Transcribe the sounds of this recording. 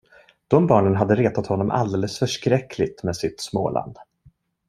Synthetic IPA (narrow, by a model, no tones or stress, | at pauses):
d̪̥ɔmbɑːɳənɦad̪ːəɾeːt̪at̪hɔnːɔmʔa̰ld̪eːləsfœʂkɾɛkʰlɪt̪meːsɪt̪smo̰ːlʔa̰nd̪